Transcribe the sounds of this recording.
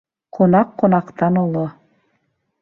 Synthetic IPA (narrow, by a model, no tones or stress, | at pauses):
qʰonɑqːonɑqt̪ɑnolˠo